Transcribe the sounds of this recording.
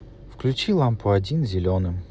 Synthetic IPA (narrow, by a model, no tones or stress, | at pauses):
fklʲʉt͡ɕilˠampʊɐdʲinzʲɪlʲonɨm